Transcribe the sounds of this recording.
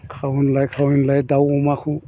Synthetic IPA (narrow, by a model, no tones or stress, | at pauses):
kʰawinlajkʰawinlajdawɔmaxʰu